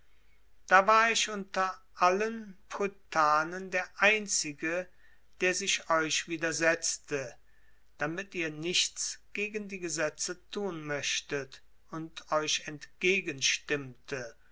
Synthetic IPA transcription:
d̥aːvaːɐɪʃʔʊntɐ | ʔalənpʁutʰaːnəndeːɐʔaɪnt͡sɪɡə | d̥eːɐzɪʃɔʏʃv̥iːdɐzɛt͡stə | d̥amɪtiːɐnɪçt͡sɡ̥eːɡəndiːɡəzɛt͡sətʰuːnmœʃtət | ʊntɔʏʃɛntɡ̥eːɡənʃtɪmtʰə

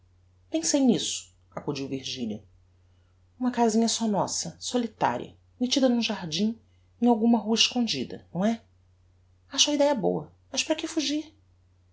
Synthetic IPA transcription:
pẽsejnisʊ̥ | akud͡ʒiwviɾʒiʎɐ | ũmɐkazĩɲɐsɔnɔsɐsolit̪a̰ɾḭɐ̰ | met͡ʃid̪ɐnũʒaɾd͡ʒĩ | ẽj̃awɡũmɐɦuɐiʃkõd͡ʒid̪ɐ̰nɐ̃w̃ɛ | aʃɐid̪ɛjɐbo̰wɐ | mɐʃpɾɐkɪfuʒiɾ

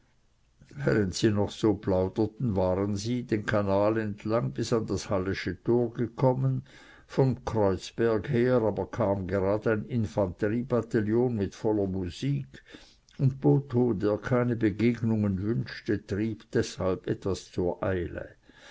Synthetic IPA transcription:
vɛːʁəntsiːnɔχsoːplaʊd̥ətn̩vaːʁənziːdeːnkʰanaːlɛntʰlaŋbɪsandashalɪʃətʰoːɐɡəkʰɔmən | fɔmkʁ̥ɔʏt͡sb̥ɛɐɡheːʁaːbɐkʰaːmɡeʁaːdəaɪnɪnfant̪əʁiːbataljoːnmɪtfɔlɐmuz̥iːkʰ | ʊntb̥oːtʰoːdeːɐkʰaɪnəbəɡeːɡnʊŋənvʏnʃtətʁ̥iːb̥d̥ɛshalbɛtv̥ast͡suːɐʔaɪlə̰

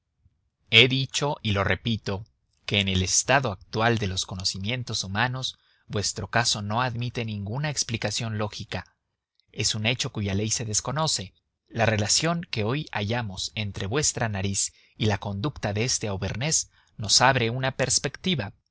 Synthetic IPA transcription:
e̞ðit͡ʃo̞ʔilo̞re̞pit̪o̞ | ke̞ːne̞le̞st̪aðo̞ak̚t̪wald̪e̞lo̞sko̞no̞simje̞nt̪o̞sumano̞z̥ | bwe̞st̪ɾo̞kaso̞no̞aðmit̪e̞nĩŋɡunaeksplikasjo̞nlo̞xika | e̞sune̞t͡ʃo̞kuʝale̞jse̞ðe̞sko̞no̞se̞ | lare̞lasjo̞ŋke̞o̞jaʝamo̞se̞nt̪ɾe̞βwe̞st̪ɾanaɾis | ilako̞nd̪ukt̪aðeest̪eawβe̞ɾne̞z | no̞saβɾe̞unape̞ɾspe̞kt̪iβa

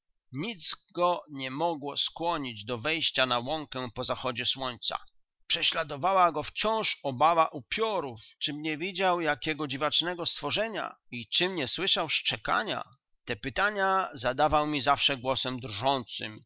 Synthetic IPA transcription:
ɲid̪zɡɔɲɛmɔɡwɔskwɔɲid͡ʑd̪ɔvɛjɕt͡ɕanawɔŋkɛpɔzaxɔd͡ʑɛswɔɲt̪sa̰ | pʂɛɕlad̪ɔvawaɡɔft͡ɕɔ̃w̃ʂɔbavaʔupʲjɔɾuft͡ʂɘmɲɛvʲid͡ʑawjakʲɛɡɔd͡ʑivat͡ʂnɛɡɔst̪fɔʐɛɲa̰ | it͡ʂɘmɲɛswɘʂawʂt͡ʂɛka̰ɲa̰ | t̪ɛpɘt̪aɲazad̪avawmʲizafʂɛɡwɔsɛmd̪ɾʐɔnt̪sɨ̰m

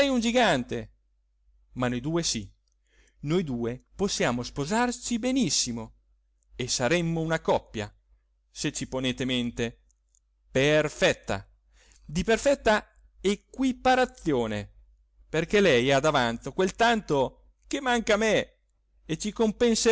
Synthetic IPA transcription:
ɛjund͡ʒiɡant̪e | manːojd̪uːesi | nojd̪uːeposːjaːmospozart͡ʃibenisːimo | esaɾɛmːounakɔpːja̰ | set͡ʃːiponeːt̪ement̪e | perfɛt̪ːa̰ | d̪iperfɛt̪ːa | ekwipaɾat̪sːjoːne | perkelɛjad̪avant̪okwelt̪ant̪o | k̟emaŋkame | et͡ʃikompense

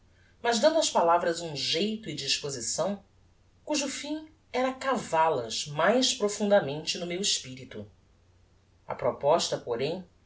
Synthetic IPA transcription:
mɐʒd̪ɐ̃nd̪ʊɐʃpalavɾɐzũʒejt̪ʊid͡ʒiʃpozisɐ̃w̃ | kuʒʊfĩ | ɛɾɐkavalɐzmajʃpɾofũnd̪ɐmẽnt͡ʃɪnʊmewɪʃpiɾit̪u | ɐ̰pɾɔpɔʃt̪ɐpoɾẽj̃

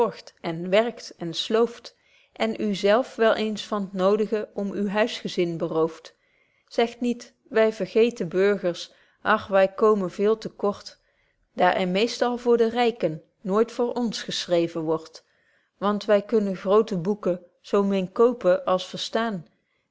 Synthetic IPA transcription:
ɔɹχtʔɛnʋɛɹktɛnslowft | ʔɛnʔyzɛlˠfʋɛlˠʔejnsfɑnətnowdəχəʔɔmywɦœɥsχəzɪnbərowft | sɛxtnit | ʋɛjvəɹχejtənbɵɹχəɹs | ʔɑxʋɛjkowmənvɪːlˠtəkɔɹt | d̥aːɹʔɛɹmejstɑlˠvʊːɹdərɛjkənː | oːjtfʊːɹʔɔnsχəsrejvənʋɔɹt | ʋɑntʋɛjkɵnənχrowtəbukə | z̥owmɪnkowpəʔɑlˠsfəɹstaːn

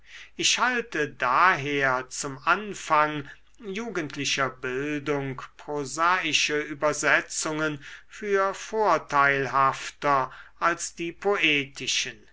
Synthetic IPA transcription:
ʔɪʃhaltədaːɦeːɐt͡sʊmʔanfaŋ | juːɡəntʰlɪʃɐbɪldʊŋkpʁozaːɪʃəʔyːbɐzɛt͡sʊŋənfyːɐfoːɐtʰaɪlɦaftɐʔalsd̥iːpʰoʔeːtʰɪʃən

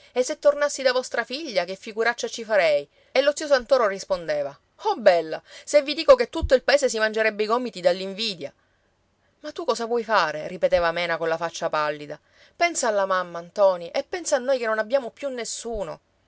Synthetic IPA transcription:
esːet̪ːornasːid̪avɔst̪ɾafiʎːakefːiɡuɾat͡ʃːat͡ʃifaɾɛj | elːot̪sios̬ant̪oːɾorispond̪eːva | ɔbɛlːasevːid̪iːkoket̪ːut̪ːoilpaeːses̬imand͡ʒeɾɛbːeiɡɔmit̪id̪alːiɱviːd̪ja | mat̪ːukɔsavwɔjfaːɾeripet̪eːvamɛːnakonlafat͡ʃːapalːid̪a | pɛnsaːlːamamːant̪ɔːniʔɛpːɛnsaːnːoːjkenːonabjaːmopjunːesːuːno̰

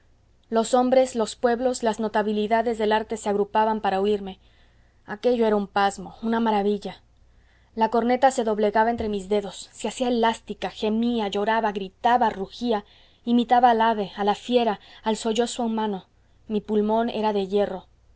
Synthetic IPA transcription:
lo̞so̞mbɾe̞slo̞spwe̞βlo̞slazno̞t̪aβiliðaðe̞zðe̞laɾt̪e̞se̞aɣɾupaβampaɾauiɾme̞ | ake̞ʝo̞e̞ɾaumpazmo̞unamaɾaβiʎa | lako̞ɾne̞t̪ase̞ðo̞βle̞ɣaβaent̪ɾe̞mizðe̞ðo̞sːeasiaelast̪ikaxe̞miaʝo̞ɾaβaɣɾit̪aβaruxia | imit̪aβaːlaβe̞alafje̞ɾaːlso̞ʝo̞swoumãno̞ | mipulmõ̞ne̞̰ɾaðe̞ʝe̞ro̞

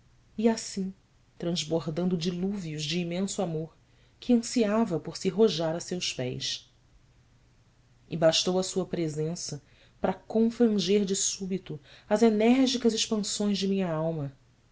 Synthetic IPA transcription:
iasĩ | t̪ɾɐ̃zboɾd̪ɐ̃nd̪ʊd͡ʒiluviuzd͡ʒɪːmẽsuamoɾ | kʰɪɐ̃siavɐpoɾsɪɦoʒaɾɐsewspɛ̰js | ɪ̰baʃt̪owɐsuɐpɾezẽsɐ | pɾɐkõfɾɐ̃ʒeɾd͡ʒɪsubit̪ʊɐzenɛɾʒikɐzɪʃpɐ̃sõj̃zd͡ʒɪmĩɲɐawmɐ

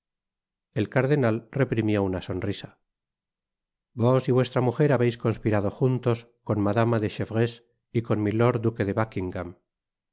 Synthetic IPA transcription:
e̞lkaɾðe̞nalre̞pɾimjo̞unaso̞nrisa | bo̞siβwe̞st̪ɾamuxe̞ɾaβejsko̞nspiɾað̞o̞xunt̪o̞s | ko̞nmaðamaðeʃefɣes | iko̞nmilo̞ɾd̪uke̞ðeβakiŋɡam

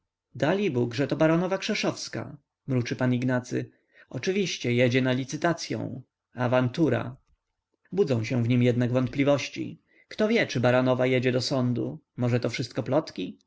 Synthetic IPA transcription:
d̪alʲibuɡʐɛt̪ɔbaɾɔnɔvakʂɛʂɔfska̰ | mɾut͡ʂɘpaniɡnat̪sɘ̰ | ɔt͡ʂɘvʲiɕt͡ɕɛjɛd͡ʑɛnalʲit̪sɘt̪at̪sʲjɔ̰̃w̃ | avant̪uɾa̰ | bud̪zɔ̃w̃ɕɛ̃vɲimjɛd̪naɡvɔnt̪̚plʲivɔɕt͡ɕḭ | kt̪ɔvʲjɛt͡ʂɘbaɾɔnɔvajɛd͡ʑɛd̪ɔsɔnd̪ṵ | mɔʐɛt̪ɔfʂɘst̪̚kɔplɔt̪kʲi

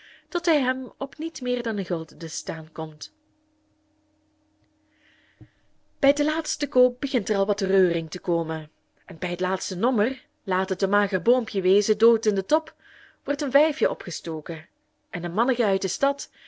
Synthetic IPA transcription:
tɔtɦɛjɦɛmɔpnitmɪːrdɑnəɣɵlˠtdəstaːnkɔmt | b̥ɛjdəlaːtstəkoːp̚bəɣɪntərɑlˠʋɑtrøːrɪŋtəkoːmən | ɛnbɛjɦətlaːtstənɔmər | laːtətənmaːɣərboːmpjəʋeːzədoːtɪndətɔp | ʋɔrtənvɛjfjəʔɔpχəstoːkə | ʔɛnənmɑnəɣəœɥt̚dəstɑt

